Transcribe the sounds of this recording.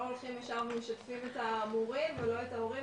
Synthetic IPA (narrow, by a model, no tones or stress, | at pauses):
olχimeʃavemeʃatfimetabuʁimvelo̞etaoʁi